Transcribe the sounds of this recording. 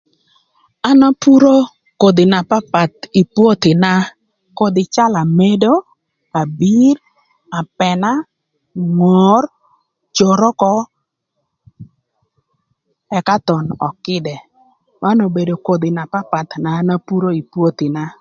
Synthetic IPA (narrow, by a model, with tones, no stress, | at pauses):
a˦na˦pu˦ɾo˦ | ko˨d̪ɪ˨na˨pa˦pa˨t̪i˨pwo˦t̪ɪ˨na˦ | ko˦d̪ɪ˨t͡ʃa˦la˨me˦do˦ | a˨bi˦r | a˨pɛ˨na˦ | ŋɔ˨r | t͡ʃo˨ɾɔ˦kɔ˦ | ɛ˨ka˦t̪ɔ˨nɔ̰˨kɪ˦dɛ˨ | ma˦no˨be˨do˨ko˨d̪ɪ˨na˨pa˦pa˨t̪naː˨˦na˦pu˦ɾo˦i˨pwo˦t̪ɪ˨na˦